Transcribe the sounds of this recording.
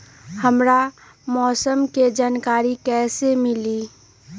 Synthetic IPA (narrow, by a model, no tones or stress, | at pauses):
həmɾa | mɔːsəmked͡ʒaːnkaːɾikɛːsemɪliː